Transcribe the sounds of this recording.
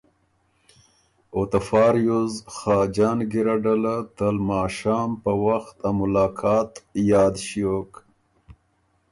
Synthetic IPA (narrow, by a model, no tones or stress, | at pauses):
ot̪afɑːɾjuzxɑːd͡ʒɑːnɡiɾaɖalat̪əlmɑːʃɑːmpəwaxt̪amʊlɑːkʰɑːt̪jɑːd̪ʃiok